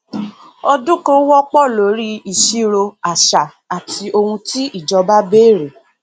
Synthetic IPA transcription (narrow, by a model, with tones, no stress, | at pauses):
ɔ˧dũ˦ko˦wɔ˦k͡pɔ˦˨lo˨˦ɾi˦i˨ʃi˦ɾo˧a˨ʃa˨ | a˨tʰi˧o˧hũ˧ti˦i˦˨d͡ʒɔ˧ba˦be˦˨ɾe˨